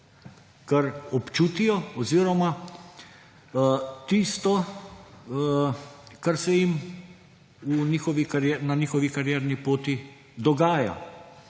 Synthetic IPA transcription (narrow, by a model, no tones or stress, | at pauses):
kɐɾɔpt͡ʃuːt̪ijɔɔziːɾɔma | t̪ist̪ɔ | kaɾsɛjim | unʲiːxɔʋikaɾjɛnaniːxɔʋikaɾjɛːɾnipoːt̪i | d̪ɔɡaːja̰